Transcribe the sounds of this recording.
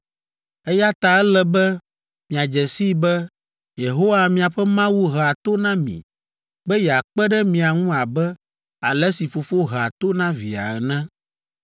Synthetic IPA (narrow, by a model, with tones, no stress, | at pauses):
ɛ˦ja˦t̪a˨ɛ˦lɛ˦bɛ˦ | mĩ˨a˨d͡ʒɛ˨si˦bɛ˦ | je˨ɦo˦wa˨mĩ˨a˨ɸɛ˦mã˦wu˦ɦa˨t̪o˦nã˦mḭ̃˨ | bɛ˦jɛ˨a˨k͡pɛ˦ɖɛ˦mĩ˨a˨ŋũ˦a˨bɛ˦ | a˨lɛ˦si˨fo˨fo˦ɦɛ˨a˨t̪o˦nã˦vḭ˨a̰˨ɛ˨nɛ̃˦